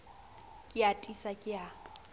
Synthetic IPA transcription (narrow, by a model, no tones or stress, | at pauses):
kʼɪatʼisakʼɪa